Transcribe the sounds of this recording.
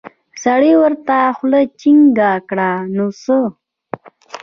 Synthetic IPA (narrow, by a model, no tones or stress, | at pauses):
saɽiwəɾt̪axlət͡ʃiŋɡakɽanosə